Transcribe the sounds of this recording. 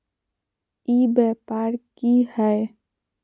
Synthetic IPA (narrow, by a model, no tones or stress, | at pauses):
ibɛpaɾkihɛ